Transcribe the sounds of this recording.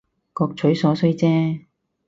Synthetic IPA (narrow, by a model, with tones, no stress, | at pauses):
kɔː˧k̚t͡ʃʰɵ˨˥ɥsɔː˨˥sɵ˥ɥt͡sɛː˥